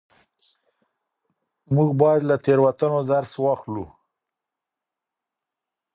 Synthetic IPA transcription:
muɡbɑjad̪lat̪eɾwat̪anod̪aɾswɑxlu

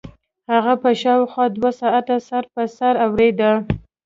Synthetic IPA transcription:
haɣapəʃɑwxwɑd̪wasɑʔat̪asaɾpəsaɾawɾed̪ə

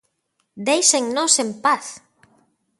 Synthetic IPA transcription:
d̪ejseŋnosempaθ

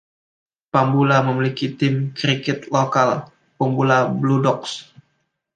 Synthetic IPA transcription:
pambulaməmilikit̪ɪmkɾikɛt̪lokal | pəmbulabludɔks

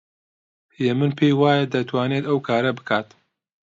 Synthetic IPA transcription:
jemɨnpʰejwaːjɐd̪ɐt̪ʰwaːneːt̪ɐwkʰaːɾɐbɨkʰaːt̪

